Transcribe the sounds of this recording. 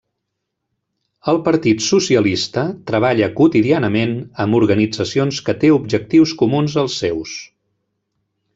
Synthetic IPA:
əlˠpəɾt̪it̪susiəlist̪ət̪ɾəβ̞aʎəkut̪iðianəmenəmuɾɣənid͡zəsionskət̪eubʒək̚t̪iwskumunzəlˠsːɛws

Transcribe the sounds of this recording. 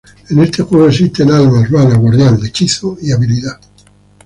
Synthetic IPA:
enest̪exwaðoesist̪elalmazβanaɣwaɾðjand̪et͡ʃiθoiaβiliða

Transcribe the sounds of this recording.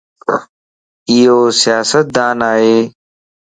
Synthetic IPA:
ijoːsɪjaːsət̪̚d̪aːnaːeː

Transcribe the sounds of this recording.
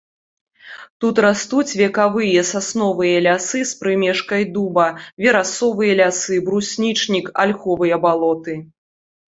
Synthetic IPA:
t̪ut̪rast̪ut͡sʲvʲɛkavɨjɐsasnɔvɨjɐlʲasɨspɾɨmʲɛʂkɐjd̪ubɐvʲɛɾasɔvɨjɐlʲasɨbɾusʲnʲit͡ʂnʲika̰lʲxɔvɨjɐbalˠɔt̪ɨ

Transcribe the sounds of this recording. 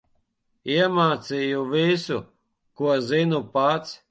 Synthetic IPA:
iɛmaːt̪sijuvʲisu | kuɔzinupat̪s

